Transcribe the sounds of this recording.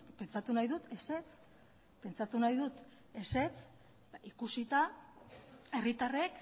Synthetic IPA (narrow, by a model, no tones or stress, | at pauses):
pe̞nt͡sat̪unajðut̪e̞se̞t͡s | pe̞nt͡sat̪unajðut̪ | e̞se̞t͡s | ikusit̪a | e̞rit̪are̞k